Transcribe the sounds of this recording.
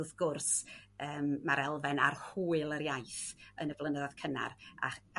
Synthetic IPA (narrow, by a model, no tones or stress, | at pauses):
ðɡ̥ʊrsəːmːaɾɛlˠvɛnarhuːɨlˠəɾjajθənəblˠənəðað̥kʰəna̰ɾa̰